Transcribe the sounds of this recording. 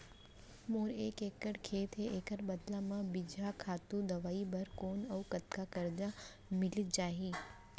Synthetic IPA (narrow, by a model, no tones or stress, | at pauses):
moɾekekəɽkʰet̪ʰeʔekəɽbəd̪lamãbid͡ʒʱakʰat̪ũd̪əʋaibəɾkonəukət̪kakəɾd͡ʒa | mɪlid͡ʒaɦi